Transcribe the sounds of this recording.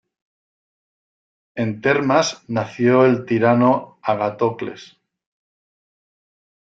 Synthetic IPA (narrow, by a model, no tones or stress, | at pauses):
e̞nt̪e̞ɾmasnaθjoe̞lt̪iɾanoaɣat̪okle̞̰s